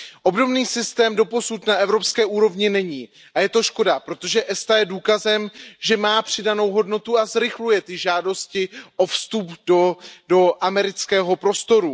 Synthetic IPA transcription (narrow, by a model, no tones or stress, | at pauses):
ʔo̞bdo̞mniːsɪst̪ɛːmdo̞po̞sut̪naʔɛvɾo̞pskɛːʔuːɾo̞vɲɪnɛɲiː | ʔajɛt̪o̞ʃko̞dapɾo̞t̪o̞ʒɛʔɛst̪ajɛduːkazɛmʒɛmaːpr̝̥ɪdano̞wɦo̞dno̞t̪uazɾɪxlujɛt̪ɪʒaːdo̞scɪʔo̞fst̪updodo̞ʔamɛɾɪt͡skɛːɦo̞pɾo̞st̪o̞ɾu